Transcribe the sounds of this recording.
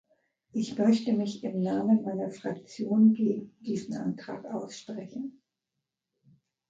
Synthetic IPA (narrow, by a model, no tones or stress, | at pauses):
ʔɪçmœçtəmɪçɪmnaːmənmaɪnɐfʁ̥ak̚t͡sjoːnɡeːɡŋ̩d̥iːzn̩ʔa̰ntʁ̥a̰ːkʔaʊsʃpʁ̥ɛçn̩